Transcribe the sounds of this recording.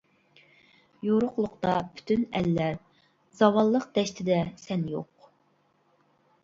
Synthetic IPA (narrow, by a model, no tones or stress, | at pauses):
joɾʊqlˠʊqt̪ɑpʰy̥t̪ʰynɛlːæɾ | zɑwɑlˠːəq̚d̪̥ɛʃt̪ʰɪd̪ɛsɛnjo̰q